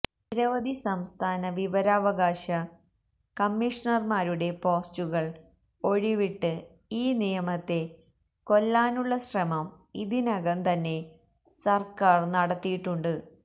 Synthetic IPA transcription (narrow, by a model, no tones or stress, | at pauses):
niɾɐʋɐd̪isɐmst̪ʰaːnɐʋiʋɐɾaːʋɐɣaːɕɐ | kɐmːiʂɐnɐrmaːɾuɽe̞po̞ːst͡ɕuɣɐɭ | o̞ɻiʋiʈːɨ | iːnijɐmɐt̪ːe̞ | ko̞lːaːnuɭːɐɕrɐmɐm | iðinɐɣɐnt̪ɐnːe̞ | sɐrkaːrnɐɽɐt̪ːijiʈːuɳɖɨ